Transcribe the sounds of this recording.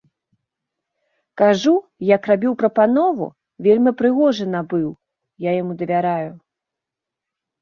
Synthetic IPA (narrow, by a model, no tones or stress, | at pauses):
kaʐujɐkrabʲiwpɾɐpanɔvṵ | vʲelʲmʲipɾɨɣɔʐɨnɐbɨw | jajamud̪ɐvʲaɾaju